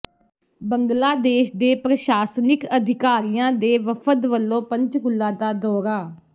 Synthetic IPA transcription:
bəŋɡlaːd̪eːʃd̪eːpɾəʃaːsnɪkəd̪ʱɪkaːɾijãːd̪eːʋəpʰət̪ʋəlːõːpəɲt͡ʃkʊlːãːd̪aːd̪ɔːɾaː

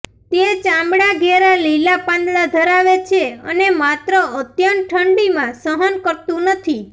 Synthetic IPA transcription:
t̪et͡ʃãmbɽaɡʱeɾalilapãnd̪lad̪ʱəɾaʋet͡ʃʰeə̰nemat̪ɾəət̪jənʈʰəɳɖimãsəɦənkəɾt̪ũnət̪ʰi

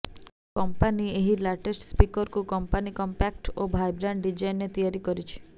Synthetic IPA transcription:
kɔmpanieɦilaʈesʈspikɔɾkukɔmpanikɔmpak̚ʈobʱajbɾaɳɖɖid͡ʒajnet̪ijaɾikɔɾit͡ʃʰi̥

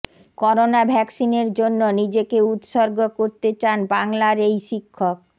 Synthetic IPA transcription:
kɔɾonabʱɛksineɾd͡ʑonːonid͡ʑekeut̪ʃoɾɡokoɾt̪et͡ɕanbaŋlaɾejʃikʰːok̚

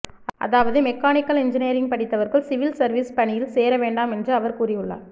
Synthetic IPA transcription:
ʔɐ̰ðaːʋɐðɯmɛkːaːnɪkːɐlɛɲd͡ʒɪneːɾɪŋɡ̚pɐɽɪt̪ːɐʋɐɾɣɐɭsɪʋɪlsɐɾʋiːspɐɳɪjɪlseːɾɐʋeːɳɖaːmɛndrɯɐʋɐɾkuːrɪjɯɭːa̰ː

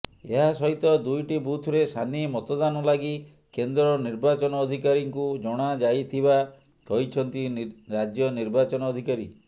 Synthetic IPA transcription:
ḛɦasɔɦit̪ɔd̪ujʈibut̪ʰɾesʰanimɔt̪ɔd̪anɔlaɡi | kend̪ɾɔniɾbat͡ʃɔnɔːd̪ʱikaɾiŋkud͡ʒɔɽ̃ad͡ʒajt̪ʰiba | kɔɦit͡ʃʰɔnt̪iɾad͡ʒjɔniɾbat͡ʃɔnɔːd̪ʱikaɾi

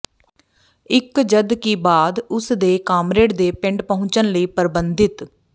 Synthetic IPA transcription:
ɪkd͡ʒəd̪kiːbaːd̪ʊsd̪eːkaːmɾeːɽd̪eːpɪ̃ɳɖpəɦʊ̃t͡ʃənləiːpəɾbənd̪ɪt̪

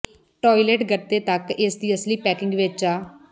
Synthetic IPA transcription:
ʈɔːilɛːʈɡəɾt̪eːt̪əkɪsd̪iːəsliːpɛːkɪŋɡʋet͡ʃaː

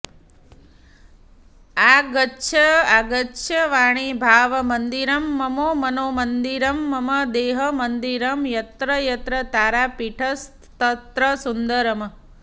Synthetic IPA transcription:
aɡəːʃʰəaɡəʃʰəʋaːɽ̃ibʱaːʋmənd̪iɾəmːəmoːmənomənd̪iɾəmːəməd̪eːɦəmənd̪iɾəmjɐt̪ɾəjɐt̪ɾət̪aːɾapiʈʰəst̪t̪ət̪ɾəsund̪əɾəmə

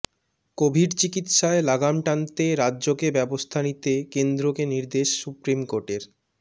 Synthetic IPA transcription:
kobʱiɾt͡ɕikit̪ʃaelaɡamʈant̪eɾadːʑokebɛbost̪ʰanit̪ekend̪ɾokeniɾd̪eʃsupɾimkoɾʈeɾ

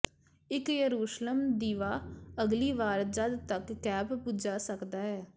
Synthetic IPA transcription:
ɪkjəɾuːʃləmd̪iːʋaːəɡliːʋaːɾd͡ʒəd̪t̪əkːɛːbpʊd͡ʒaːsəkd̪aːɦɛː

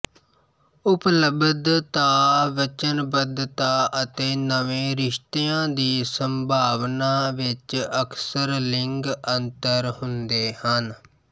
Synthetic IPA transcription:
ʊpləbəd̪t̪aːʋət͡ʃənbəd̪t̪aːʔət̪eːnəʋẽːɾɪʃt̪eãːd̪iːsəmbʱaːʋnaːʋɪt͡ʃəkʰsəɾlɪŋɡənt̪əɾhʊnd̪eːhən

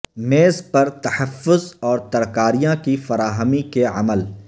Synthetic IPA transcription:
meːzpɐɾt̪ɐħɐfːʊzɔːɾt̪ɐɾkaːɾijãkifɐɾaːɦəmikeʕɐ̰məl

